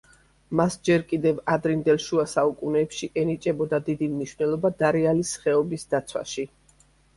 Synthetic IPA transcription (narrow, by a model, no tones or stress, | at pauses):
masd͡ʒɛɾkʼid̪ɛvad̪ɾind̪ɛlˠʃuasaukʼunɛːpʃiʔɛnit͡ʃʼɛbɔd̪ad̪id̪imniʃwnɛlˠɔbad̪aɾɛalisχɛɔbisd̪at̪sʰwa̰ʃi